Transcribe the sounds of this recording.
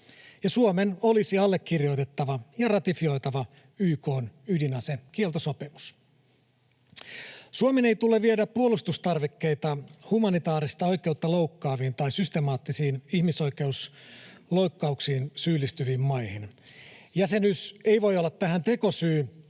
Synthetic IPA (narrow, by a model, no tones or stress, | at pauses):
jɑsuomeno̞lisiɑlːe̞kːirjo̞jt̪e̞t̪ːɑʋɑjɑrɑt̪ifio̞jt̪ɑʋɑ | yːko̞ːnydinɑsek̟ielt̪osopimus | suomenejt̪uleʋiedæppːuolust̪ust̪ɑrʋekːe̞jt̪ɑhumɑnit̪ɑːɾist̪ɑo̞jke̞ut̪ːɑlo̞uwkːɑːʋiːnt̪ɑjsyst̪e̞mɑːt̪ːisiːnihmiso̞jk̟e̞uslo̞jkːɑuksiːnsyːlːist̪yʋiːmːɑjhin | jæse̞nyse̞jʋo̞jolːɑt̪ːæɦænt̪e̞ko̞syː